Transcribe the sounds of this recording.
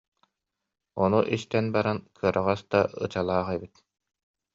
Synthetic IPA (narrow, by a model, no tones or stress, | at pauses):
ɔnuʔist̪ɛnbaɾankʰɯɐɾaʁasd̪aɯ̰t͡ɕalˠaːχɛbit̪̚